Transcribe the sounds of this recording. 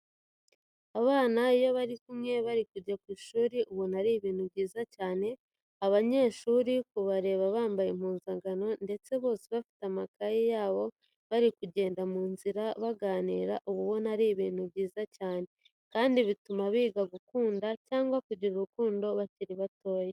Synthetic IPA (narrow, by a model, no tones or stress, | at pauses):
aβaːnaijo̞βaɾikumŋe̞βaɾikuɟakwiːʃuːɾiʔuβonaɾiːβiːnhubɟiːzacaːne̞ | aβaɲe̞ːʃuːɾikuβaɾe̞ːβaβaːmbajem̥uːnzaŋɡano̞nde̞t͡se̞βo̞ːsiβafi̥tamakajijaːβo̞ | βaɾikuɟe̞ːndamuːnziɾaβaɡaːniːɾaʔuβuβonaɾiːβiːn̤ubɟiːzacaːne̞ | kaːndiβitumaβiːɡaɡukuːndacaːŋɡwakuɟiɾuɾukuːndo̞βaciɾiβato̞ːje